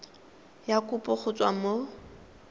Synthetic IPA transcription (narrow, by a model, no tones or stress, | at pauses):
jakʼʊpʼʊχʊt͡sʼwamo